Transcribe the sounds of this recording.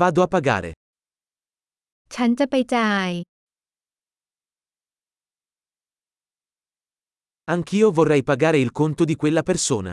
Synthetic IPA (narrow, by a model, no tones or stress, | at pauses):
vaːd̪oapːaɡa̰ːɾḛ | t͡ʃant̪apajt̪aj | aŋkʰiːovorːɛjpaɡaːɾeilkont̪od̪ikwelːapersoːna̰